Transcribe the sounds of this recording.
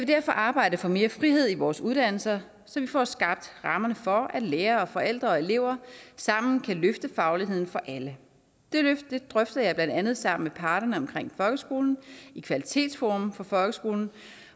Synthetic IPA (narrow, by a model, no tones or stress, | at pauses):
jæʋe̝d̥æɐ̰fɒʔɑ̈ːb̥ɑ̈ɪ̰d̥əfɒ̽me̝ːɐfʁiɦe̝ð̞̰ˠiʋɒːsuðˠd̥æn̰l̩sɐ | sɒ̽ʋifɒ̰ːsɡ̥ɑ̈b̥̚d̥ʁɑ̈mɐnəfɒ̽æd̥leːɐɒ̽fɒ̽el̰d̥ʁɐɒ̽e̝le̝ʊ̰ɐsɑ̈m̰n̩kʰæløfd̥əfɑ̈ʊliɦe̝ð̞̰ˠn̩fɒ̽ʔælə | d̥e̝̥ed̥ʁœfd̥ɐjɑ̈ɪb̥lænd̥ænð̞̩ˠsɑ̈m̰n̩mepʰɑ̈ːɾ̥ɐnəɒ̽mkʰʁeŋ̰fɒ̽lɡ̥əsɡ̥o̝ːln̩ikʰʋælit͡sʰe̝̰ːd̥sfɔm̩fɒ̽fɒ̽lɡ̥əsɡ̥o̝ːln̩